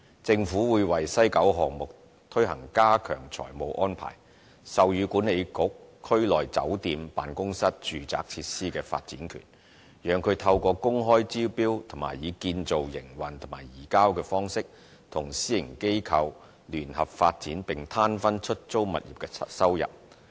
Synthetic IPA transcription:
t͡sɪ˧ŋfuː˨˥wuː˨˧jwɐ˨jsɐ˥jkɐ˨˥wɦɔː˨ŋmʊ˨k̚ | t̪ʰɵ˥ɥɦɐ̰˨˩ŋkaː˥kʰœ̰ː˨˩ŋt͡sʰɔ̰ː˨˩jmo˨˧wʔɔː˥npʰa̰ː˨˩j | sɐ˨wjyː˨˧kuː˨˥ne˨˧jkʊ˨˥k̚ʰːɵ˥ɥlɔː˨˩jt͡sɐ̰˨˥wt̪iː˧mpa̰ː˨nkʊ˥ŋsɐ˥t̚t͡ʃyː˨t͡sa̰ː˨˥k̚t͡sʰiː˧t̚siː˥kɛː˧fa̰ː˧t̚t͡sḭː˨˥nkʰy̰˨˩n | jœː˨˧ŋkʰɵ˨˧ɥt̪ʰɐ˧wkɔː˧kʊ˥ŋɦɔː˥jt͡siː˥piː˥wt̪ʰʊ˨˩ma̰ː˨˩jiː˨˧kiː˧nt͡so˨wjɪ˨˩ŋwɐ˨˩nt̪ʰʊ˨˩ŋma̰ː˨˩jiː˨˩kaː˥wkɛː˧fɔː˥ŋsɪ˥k̚ | t̪ʰʊ˨˩ŋsiː˥jɪ˨˩ŋke˥jkʰɐ˧w | lyː˨˩nhɐ˨p̚faː˧t̚t͡siː˨˥npɪ˨˩ŋt̪ʰaː˥nfɐ˥nt͡ʃʰɵ˥t̚t͡so˥wmɐ̰˨t̚jḭː˨p̚kɛ˧sɐ˥wjɐ̰˨p̚

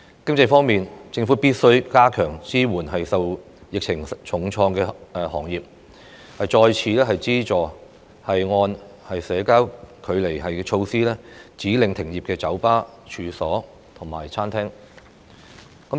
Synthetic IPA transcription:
kɪ˥ŋt͡sɐ˧jfɔː˥ŋmiː˨nt͡sɪ˧ŋfuː˨˥piː˥t̚sɵ˥ɥkaː˥kʰœː˨˩ŋt͡siː˥wuː˨˩nɦɐ˨jsɐ˨w | jɪ˨k̚t͡ʃʰɪ˨˩ŋt͡ʃʰʊ˨˩ŋt͡ʃʰɔː˧ŋkɛː˧ɛ˧hɔː˨˩ŋjiː˨p̚ | hɐ˨jt͡ʃɔː˧jt͡sʰiː˨˧lɛː˥ɦɐ˨jt͡siː˥t͡ʃɔː˨ | hɐ˨jŋɔː˧nhɐ˨jsɛː˨˥kaː˥wkʰɵ˨˧ɥle˨˩jɦɐ˨jɛ˧t͡ʃʰo˧wsiː˥lɛː˥t͡siː˨˥lɪ˨˧ŋt̪ʰɪ˨˩ŋjiː˨p̚kɛː˧t͡sɐ˨˥wpaː˥t͡ʃʰyː˨˧sɔː˨˥ | t̪ʰʊ˨˩ŋma̰ː˨˩jt͡sʰaː˥nt̪ʰɛː˥ŋ | kɐ˨˥

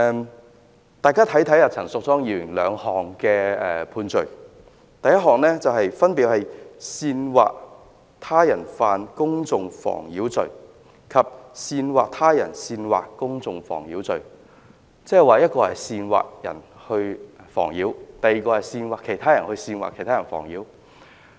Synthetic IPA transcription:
ɛ˧ | t̪aː˨˧jkaː˥t̪ʰɐ˨˥jt̪ʰɐ˨˥jaː˨˩t͡sʰɐ˨˩ŋsʊ˨k̚t͡sɔː˥ŋjiː˨˩ɥɪ˨˩ŋlœ̰ː˨˧ŋhɔː˨ŋkɛː˧ɛː˧pʰuː˧nt͡ʃɵ˨˩ɥ | t̪ɐ˨˧jɐ˥t̚ɦɔː˨k̚nɛː˥t͡sɐ˨whɐ˨jfɐ˥npiː˨˧t̚hɐ˨jsiː˧nwa̰ː˨k̚ | t̪ʰaː˥jɐ˨˩nfaː˨˧nkʊ˥ŋt͡sʊ˨ŋfɔ̰ː˨˩ŋjiː˨˥wt͡sɵ̰˨ɥ | kʰɐ˨p̚siː˧nwaː˨k̚t̪ʰaː˥jɐ̰˨˩nsiː˧nwa̰ː˨kkːʊ˥ŋt͡sʊ˨ŋfɔ̰ː˨˩ŋjiː˨˥wt͡sɵ˨ɥ | t͡sɛː˥ɛ˨jwaː˨˧jɐ˥t̚kɔː˧hɐ˨˩jsiː˧nwa̰ː˨k̚jɐ̰˨˩nhɵ˧ɥfɔ̰ː˨˩ŋjiː˨˥wt̪ɐ˨jiː˨kɔː˧hɐ˨jsiː˧nwaː˨˩kʰe˨˩jt̪ʰaː˥jɐ˨˩nhɵ˧ɥsiː˧nwa̰˨˩kʰe˨˩t̪ʰaː˥ɐ˨˩nfɔ̰ː˨˩ŋjiː˨˥w

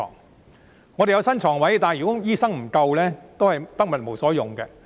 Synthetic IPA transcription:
ɔ̰ː˨˩ŋ | ŋɔː˨˧ɾe˨jɐ˨˧wsɐ˥nt͡ʃʰɔː˨˩ŋwɐ˨˥jt̪aː˨˩njy˨˩kɔː˨˥jiː˥sɐ˥ŋm̩˨˩kɐ˧wlɛː˥t̪o˥whɐ˨jt̪ɐ˥k̚mɐ˨t̚mo˨wsɔː˨˥jʊ˨˩ŋkɛː˧

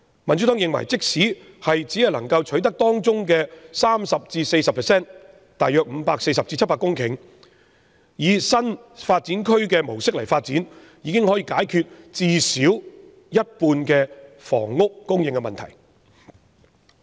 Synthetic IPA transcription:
mɐ˨˩ntt͡ʃy˨˥t̪ɔː˨˥ŋjɪ˨ŋwɐ̰˨˩jt͡sɪ˥k̚siː˨˥ | hɐ˨jt͡si˨˥hɐ˨jlɐ̰˨˩ŋkɐ˧wt͡ʃʰɵ˨˥ɥt̪ɐ˥k̚t̪ɔː˥ŋt͡sʊ˥ŋkɛː˧saː˥msɐ˨p̚t͡siː˧se˧jsɐ˨pʰɛː˨˩sɛː˥n | t̪aː˨jœː˧k̚m̩˨˧paː˧kse˧jsɐ˨p̚t͡siː˧t͡sʰɐ˥tpːaː˧kːʊ˥ŋkʰɪ˨˩ŋ | jiː˨˧sɐ˥nfaː˧t̚t͡si˨˥nkʰɵ˥ɥkɛː˧mo˨˩wsɪ˥k̚lɐ˨˩jfaː˧t̚t͡siː˨˥n | jiː˨˧kɪ˥ŋhɔː˨˥jiː˧˥kaː˨˥jkʰyː˧t̚t͡siː˨siː˨˥w | jɐ˥t̚puː˧nkɛː˧fɔ̰ː˨˩ŋːʊ˥k̚ːʊ˥ŋjɪ˨ŋkːɛ˧mɐ˨nt̪ʰɐ̰˨˩j

